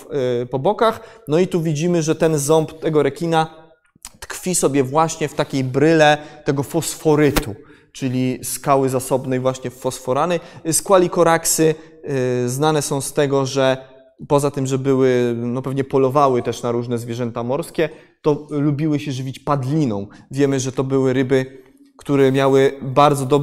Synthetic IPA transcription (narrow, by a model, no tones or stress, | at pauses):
pɔbɔkaxnɔit̪uvʲid͡ʑimɘʐɛt̪ɛnzɔmpt̪ɛɡɔɾɛkʲina | t̪kfʲisɔbʲjɛvwaɕɲɛft̪akʲejbɾɘlɛt̪ɛɡɔfɔsfɔɾɘt̪u | t͡ʂɘlʲiskawɘzasɔbnɛjvwaɕɲɛfɔsfɔɾanɛskwalʲikɔɾaksɘ | znanɛsɔ̃w̃st̪ɛɡɔʐɛ | pɔzat̪ɘmʐɛbɘwɘnɔpɛvɲɛpɔlɔvawɘt̪ɛʂnaɾuʐnɛzvʲjɛʐɛnt̪amɔɾskʲɛ | t̪ɔlubʲiwɘɕɛʐɘvʲit͡ɕpad̪lʲinɔ̃w̃vʲjɛmɘʐɛt̪ɔbɘwɘɾɘbɘ | kt̪uɾɛmʲjawɘbaɾd̪zɔd̪ɔ